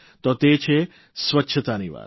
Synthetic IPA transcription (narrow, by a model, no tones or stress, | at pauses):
t̪ot̪et͡ʃʰe | sʋətːʃʰət̪aniʋa̰ː